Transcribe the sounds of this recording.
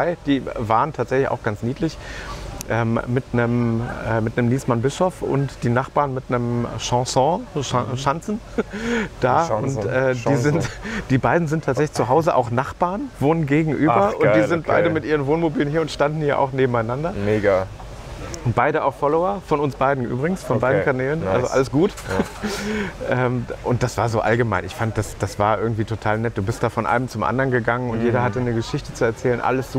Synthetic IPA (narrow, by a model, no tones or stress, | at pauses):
aɪd̥iːvaːʁəntʰaːtz̥ɛçlɪça̰ʊxɡ̥ant͡sniːtlɪçʔɛːmmɪtnəmɛːmɪtnəmniːsmanbɪʃɔfʊ̰ntd̥iːnaχb̥aːɐnmɪtnəmʃɑ̃sɔ̃ʃʃant͡sn̩ | d̥aːʊntɛːdiːzɪntd̥iːbaɪdn̩zɪntʰaːtz̥ɛçlɪçt͡suɦaʊzəʔa̰ʊxnaχb̥aːɐnvoːnənɡeːɡŋ̩ʔyːbɐʔʊnd̥iːzɪnt̚baɪdəmɪtʔiːʁənvoːnmobiːlənhiːɐʊntʃtandn̩hiːɐʔa̰ʊxneːbm̩aɪnandɐmeːɡa | ʊntb̥aɪdəa̰ʊxfɔloɐfɔnʊnsb̥aɪdn̩ʔy̰ːbʁɪɡŋ̩sfɔnbaɪdn̩kʰanɛːlənʔalzoʔa̰ləsɡ̥uːt | ʔɛːmʔʊnt̚d̥asv̥aːɐzoːʔalɡəmaɪnɪçfandəd̥asd̥asv̥aːɐʔɪɐɡŋ̩tv̥iːtʰotʰaːlnɛt̚d̥uːbɪstd̥aːfɔnʔa̰ɪnəmt͡sʊmʔa̰ndɐnɡəɡaŋənʊntjeːɾɐhatənəɡəʃɪçtə̥t͡suɛɐt͡sɛːlənʔa̰ləsz̥